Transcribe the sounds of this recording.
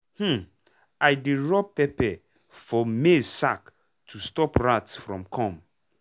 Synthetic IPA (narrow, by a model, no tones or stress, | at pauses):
hm̩ | ajdeɹɔpːɛpɛ | fɔmesak | tʰustɔpɹatsfɹɔ̃mkʰɔ̃m